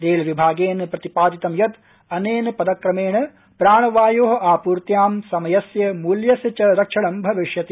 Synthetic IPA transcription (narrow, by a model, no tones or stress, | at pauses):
d̪eːlʋibʱaːɡeːnpɾɐt̪ipaːd̪it̪ɐmjɐt̪ | ɐneːnpɐd̪ɐkɾɐmeːɳɐ | pɾaːɳɐʋaːjoːɦɐaːpuːɾt̪jaːmsɐmɐjɐsjɐmuːljɐsɐt͡ʃɐɾɐkʂɐɳɐmbʱɐʋiʂjɐt̪i